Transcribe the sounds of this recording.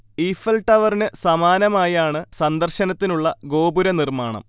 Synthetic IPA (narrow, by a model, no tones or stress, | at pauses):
iːfɐlʈɐʋɐrinɨsɐmaːnɐmaːjaːɳɨsɐnd̪ɐrɕɐnɐt̪ːinuɭːɐɡo̞ːbuɾɐnirmaːɳɐ̰m